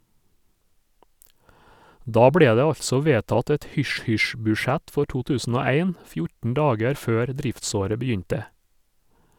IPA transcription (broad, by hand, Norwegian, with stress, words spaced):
ˈdɑː ˈbɽeː ˈdeː ˈɑʎtsɔ ˈʋeːtɑt ˈɛt ˈhʏʃˌhʏʃ bʉːˈʃæt ˈfɔ ˈʈuː ˈtʉːsn̩ ˈoː ˈæɪn ˈfjʊʈn̩ ˈɖɑːɡæɾ ˈføːɾ ˈdɾɪftˌsoːɾə bəˈjʏɲtə